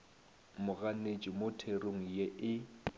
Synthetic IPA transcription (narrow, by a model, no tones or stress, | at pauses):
mʊɣanet͡ʃʼɪmotʰeroŋ̩jeɪ